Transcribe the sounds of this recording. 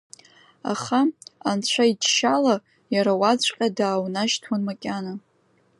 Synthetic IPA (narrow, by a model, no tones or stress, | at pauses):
a̰χaant͡ɕʷʰaid͡ʒʃala | jaɾawat͡sʷʼqʲʼadaːwnaʃtʰwanmakʲʼana